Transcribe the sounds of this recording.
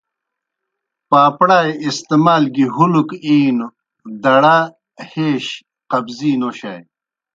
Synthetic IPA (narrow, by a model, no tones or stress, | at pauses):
paːpɽaːjist̪emaːlɡiɦulukiːno | d̪ɐɽa | heːɕ | qɐbziːnoɕaj